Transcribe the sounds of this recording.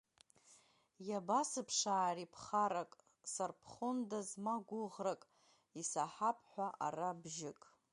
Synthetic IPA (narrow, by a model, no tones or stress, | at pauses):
jabasɨpʰʂaːripʰχaɾakʼ | sarpʰχondazmaɡʷʊʁrakʼ | isaħapʰʼħʷaʔa̰rabʒɪkʼ